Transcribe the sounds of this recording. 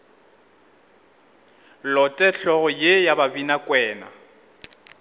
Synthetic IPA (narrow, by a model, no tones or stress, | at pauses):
lɔtʼɛɬɔɣʊjejababinakʼwɛːna̰